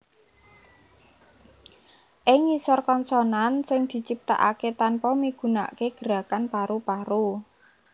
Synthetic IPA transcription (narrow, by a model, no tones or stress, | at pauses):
ʔɪŋisɔrkɔnsɔnansɪŋd̪̥i̤t͡ʃip̚t̪a̰ʔa̰ket̪anpɔmiɡ̥ṳna̰keɡ̥əɾa̤kanpaɾupaɾu